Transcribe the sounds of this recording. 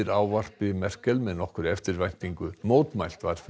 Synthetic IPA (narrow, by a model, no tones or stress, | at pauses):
ɪɾaːwvar̥pɪmɛr̥kɛlmɛnɔhkʏɾɛft̪ɪɾvajn̥t̪iŋkʏmoːwt̪majl̥t̪vaɾ̥f